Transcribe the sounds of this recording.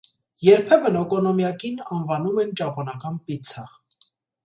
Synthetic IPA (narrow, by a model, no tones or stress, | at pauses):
jɛɾpʰɛvənɔkɔnɔmjɑkinɑnvɑnumɛnt͡ʃɑpɔnɑkɑnpit͡sʰɑ